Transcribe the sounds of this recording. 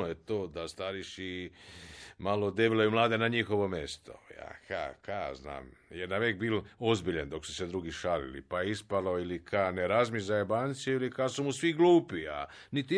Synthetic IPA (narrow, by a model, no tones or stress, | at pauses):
ojet̪oːd̪ast̪aɾiʃi | malod̪eʋilojumlˠaːd̪e̞naɲixo̞ʋo̞mjest̪o̞̰ja̰ka̰kazna̰ːmjenaʋeːkbiːlo̞zbiʎand̪o̞ksu̥sed̪ɾuːɡiʃalḭlḭpaispaloilikʰaneɾazmizajebaːnt̪siuilikasumusʋiɡluːpia̰ | nit̪i